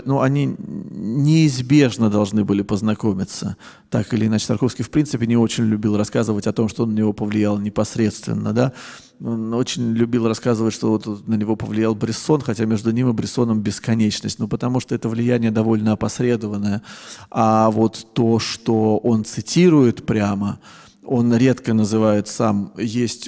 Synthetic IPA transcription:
nuɐnʲi | nʲɪːzbʲe̞ʐnəd̪ɐlˠʐnɨbɨlʲɪpəznɐko̞mʲɪt̪sə̰ | t̪akɨlʲɪːnat͡ɕɪ̥t̪ɐrkofskʲɪjfpɾʲint̪sɨpʲɪnʲɪo̞t͡ɕɪnʲlʲʉbʲilˠrɐskazəvətʲɐt̪o̞mʂt̪onːənʲɪvopəvlʲɪjalˠnʲɪpɐsɾʲe̞t̪st̪vʲɪ̰nːə̰d̪a | ono̞t͡ɕɪnʲlʲʉbʲilˠrɐskazɨvətʲʂt̪oot̪nənʲɪvo̞pəvlʲɪjalˠbɾʲɪso̞nxɐtʲamʲe̞ʐd̪ʊnʲimɨbɾʲɪso̞nəmbʲɪskɐnʲet͡ɕnəsʲtʲnupət̪ɐmuʂt̪o̞ɛt̪əvlʲɪjænʲɪjəd̪ɐvo̞lʲnəɐpɐsɾʲe̞d̪əvənːəjəavo̞t̪ːo̞ʂt̪o̞o̞nt̪sɨtʲiɾʊjɪt̪pɾʲamə | onɾʲe̞t̪kənəzɨvajɪt̪samjesʲtʲ

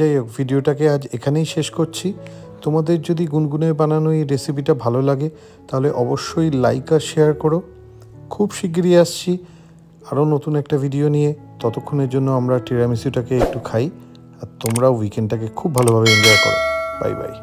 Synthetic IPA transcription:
ajvʱiɖioʈakead͡ʑekʰanejʃeʃkoɾt͡ɕʰi | t̪omad̪eɾd͡ʑod̪iɡunɡuneɾbananojɾesipiʈabʱalolaɡe | t̪aɦoleʔɔboʃːojlajkaʃeaɾkɔɾo | kʰubʃik̬ɾieaʃt͡ɕʰi | aɾonot̪unɛk̚ʈavʱiɖionije | t̪ɔt̪okʰːoneɾd͡ʑonːoamɾaʈiɾamisiʈakeek̚ʈukʰaj | aɾt̪omɾaowikeɳɖʈakekʰubʱalobʱabeind̪oakɔ̰ɾo̰ba̰jba̰j

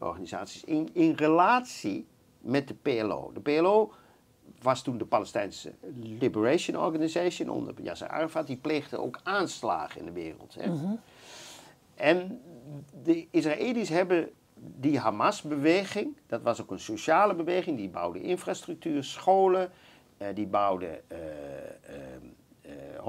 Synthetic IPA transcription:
ʔɔ̰ɹɣaniza̰ːtsi̥sɪnɪnrəlaːtsi | mɛt̚dəpeɛlo̰ːdəpeɛloː | ʋɑstundəpaləstɛjnsə̰libəreʃənɔ̰ɹɡanizejʃəno̰ndə̰pja̰sə̰a̰rafat̚dipleːɣdə̰ʔo̰ːwkaːnsla̰ːχəɪ̰ndəʋɪːrə̰lˠthɛ̰ | ʔɛn | dəis̬raʔeːlisɦɛbə | diɦamasbəʋeːɣɪŋd̥ɑtʋɑsokənsoʃaːləbəʋeːχɪŋdiba̰wdə̰ʔɪnfrastryk̚tyːrsχoːlə | dibawdə̰

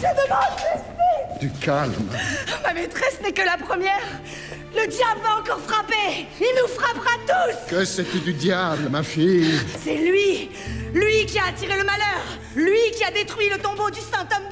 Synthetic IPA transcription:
ʒəd̪əmɑ̃d̪tɛsid̪̥ykalmmamet̪χɛsnɛkəlapχəmjɛːʁ | ləd̪jablaɑ̃kɔʁfχapeilnufχapʁat̪uskəset̪yd̪yd̪jablmafijsɛlɥi | lɥikʲiaːt̪iʁeləmalœːʁ | lɥikʲiad̪et̪χɥilət̪ɔ̃bod̪ysɛ̃t̪ɔmd̪

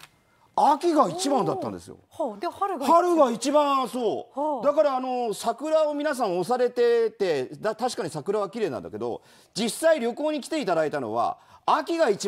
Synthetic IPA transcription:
akʲiɡait͡ɕibãnd̪at̪ːãnd̪e̞sɨjo̰ | haɾɯ̟ɡait͡ɕibãso̞ːd̪akaɾaːno̞sakɯ̟ɾaomʲinas̬ãɰ̃o̞saɾe̞t̪e̞t̪e̞d̪at̪aɕi̥kaɲ̟isakɯ̟ɾaβ̞akʲiɾe̞ːnã̰nd̪a̰ke̞d̪o̞̰ | d͡ʑisːaiɾʲjo̞ko̞ːɲ̟ikʲi̥t̪e̞it̪ad̪ait̪ano̞̰βa̰ːkʲiɡait͡ɕi

